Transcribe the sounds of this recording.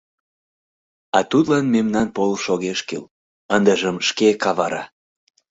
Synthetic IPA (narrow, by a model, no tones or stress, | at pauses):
ɑt̪ut̪lɑnmemnɑnpolʃoɣeʃkḭl | ənd̪əʒəmʃkekɑβɑɾɑ